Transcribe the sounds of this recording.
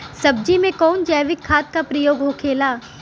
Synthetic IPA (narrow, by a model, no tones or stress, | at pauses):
sɐb̚d͡ʒimẽkɔːnd͡ʒəːʋɪkʰːaːt̪̚kapɾɐjoːɡɦokʰeːlaː